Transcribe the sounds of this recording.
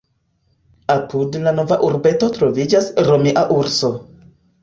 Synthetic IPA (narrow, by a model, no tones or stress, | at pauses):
apʰudlano̞vaʔuɾbe̞to̞tɾo̞vid͡ʒasɾomiʔaʔuɾso̞